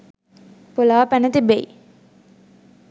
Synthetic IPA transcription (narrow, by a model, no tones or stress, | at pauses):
polaːpænət̪ibei